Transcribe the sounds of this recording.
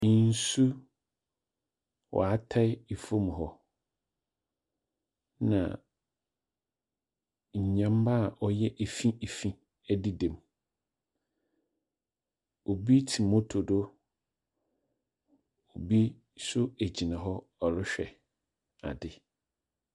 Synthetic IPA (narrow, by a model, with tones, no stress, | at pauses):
n̩˨˦su˦ | wʔɔ̰˨a˦tʰa˦e˨fõ˦m˨ɦɔ˦ | nã̰˨ | ɲ̩˨ɲã˦mba˦˨ʔɔ˦jɛ˦ʔæ˨fĩ˦e˨fĩ˦ | æ˦di˦dɛ̃˨m | o˨bi˦tʰi˨mõ˦tʰo˨do˦ | o˨bi˦ | sʊ˦æ˨d͡ʑi˨nã˨ɦɔ˦ | ɔ˨lʊ˦ɕᶣɛ̰˨ | a̰˨dɪ˨